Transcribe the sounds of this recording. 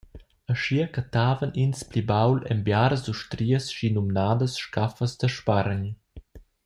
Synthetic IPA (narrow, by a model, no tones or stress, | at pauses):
əʃiəkat̪aːvəninsplibawlɛ̰mbjaːɾəzduʃtɾiəsʃinumnaːdəsʃkafəsd̪əʃpaɾɲ